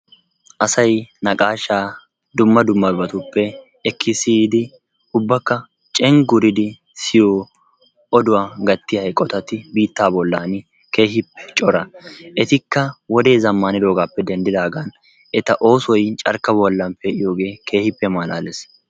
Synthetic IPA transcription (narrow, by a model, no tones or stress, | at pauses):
ʔɐsɐjnɐkʼaːʃaː | d̪ʊmːɐd̪ʊmːɐbɐt̪ʊpːɛ | ɛkʰːɪsiːd̪ɪ | ʊbːɐkːɐ | t͡ʃʼɛŋɡʊɾɪd̪ɪ | sɪjoː | ʔɔd̪ʊwaːɡɐt̪ːɪɐjkʼːɔt̪ɐt̪ɪbiːt̪ːaːbɔlːaːnɪ | ke̞ːhɪpːɛ̥t͡ʃʼɔɾɐʔɛt̪ɪkːɐwɔd̪e̞ːzɐmːaːnɪd̪o̞ːɡaːpːɛd̪ɛnd̪ɪd̪aːɡɐn | ɛt̪ɐʔo̞ːsɔjt͡ʃʼɐ̰ɾkɐbɔlːɐnpɛʔɪjo̞ːɡe̞ːkʰe̞ːhɪpːɛmaːlaːlɛs